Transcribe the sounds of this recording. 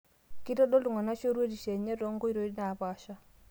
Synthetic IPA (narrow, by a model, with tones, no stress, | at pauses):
kɪ˦tɔ˦dɔ˦lʊ˨ŋa˨na˦t͡ʃo˦ɾe˦di˨ʃe˨ɲe˦dɔ˦ŋɡo˦i˦ɾo˨˦dna˨ba˨ʃa˦